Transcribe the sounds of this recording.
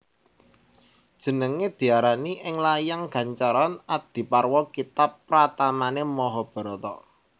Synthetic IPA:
d̥ʒ̥ə̤nəŋed̪̥i̤aɾaniʔɪŋlajaŋɡ̥a̤ɲt͡ʃaɾanad̪̥i̤parwɔkit̪apːɾat̪amanemɔɦɔb̥ɾɔt̪ɔ

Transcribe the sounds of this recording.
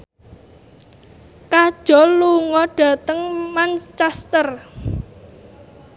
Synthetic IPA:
kad̥ʒ̥ɔ̤luŋɔɖ̥ä̤t̪əŋmant͡ʃɛst̪ər

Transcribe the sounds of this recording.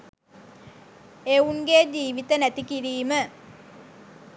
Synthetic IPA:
euŋɡed͡ʒiːʋit̪ənæt̪ikiɾiːmə

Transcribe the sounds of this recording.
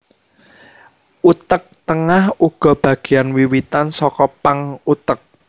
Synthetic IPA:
ʔut̪ək̚t̪əŋahuɡ̥ɔ̤b̥ä̤ɡ̥i̤anwiwit̪ansɔkɔpaŋut̪ək̚

